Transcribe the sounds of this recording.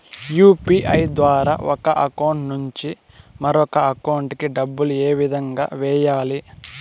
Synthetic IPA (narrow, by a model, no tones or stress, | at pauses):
juːpiːʔɐjd̪ʋaːɾa̰ːʔɔkɐʔɐkɐwɳʈnuɲt͡ʃi | mɐɾɔkɐɐkɐwuɳʈkiɖɐbːulueːʋid̪ʱɐŋɡa̰ːʋɛːjaːli